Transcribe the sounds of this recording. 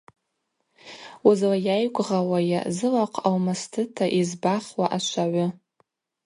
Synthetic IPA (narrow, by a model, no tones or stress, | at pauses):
uzlajajkʷʼʁawaja̰zɨlaqʰʼawmastʰɨtʰaʔizbaχwaʔat͡ʃʷʰaʕʷʊ